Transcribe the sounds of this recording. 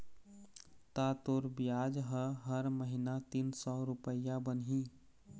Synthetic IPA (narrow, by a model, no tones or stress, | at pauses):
t̪at̪oːɾbjaːd͡ʒɦəɦəɾməɦɪnat̪iːnsɔːɾʊpəjabənɦĩː